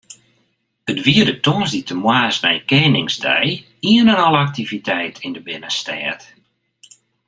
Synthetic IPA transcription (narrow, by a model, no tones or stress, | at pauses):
ətʋiədətoənsditʰəmwaːsnɛjkɛːnɪŋsdɛ̰j | iənənɔləak̚tivitʰɛjtʰɪndəbɪnəstɛ̰ːt